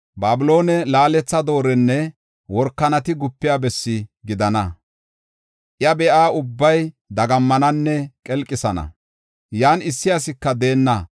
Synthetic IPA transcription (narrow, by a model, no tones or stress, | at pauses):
baːbɪlo̞ːnɛlaːlɛt͡sːɐd̪o̞ːɾɛnːɛ | wɔɾkːɐnɐt̪ɪɡʊpːɪjaːbɛsːɪɡɪd̪ɐnɐ | ʔjɐbɛʔaːʊbːɐj | d̪ɐɡɐmːɐnɐnːɛkʼɛlkʼːɪsɐnɐ̰ | jaːnɪsːɪɐsɪkːɐd̪eːnːɐ